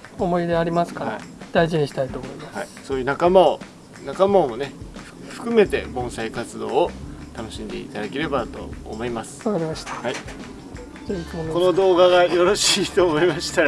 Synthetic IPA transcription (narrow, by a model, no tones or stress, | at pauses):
o̞mo̞id̪e̞aɾʲimasɨ̥kaɾaad̪̥aiʑiɲ̟iɕi̥t̪ait̪o̞ːmo̞imasaiso̞ːjɯ̟ːnakamao | nakamaomo̞ne̞ | ɸɯ̟̥kɯ̟me̞t̪e̞̰bõ̞ɰ̃saikat͡sɨd̪o̞ːot̪ano̞ɕĩnd̪e̞̰ḭt̪ad̪ake̞ɾe̞bat̪o̞̰ːmo̞imasɨ̥akaɾʲimaɕi̥t̪ḁhai | zeitmonkonod̪o̞ːɡaɡajo̞ɾo̞ɕiiːt̪oːmo̞imaɕi̥t̪a